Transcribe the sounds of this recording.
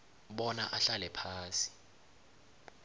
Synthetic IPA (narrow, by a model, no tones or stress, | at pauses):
ɓɔna̰ʔaɬalɛpʰaːsi̥